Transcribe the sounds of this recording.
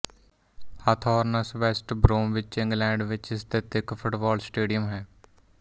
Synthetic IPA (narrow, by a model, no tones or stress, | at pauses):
hat̪ʰɔːɾnəsʋɛːsʈbɾõːmʋɪt͡ʃɪ̃ŋɡlɛ̃ːɳɖʋɪt͡ʃɪst̪eːt̪ɪkpʰʊʈbɔːlsʈeːɖijəmɦɛː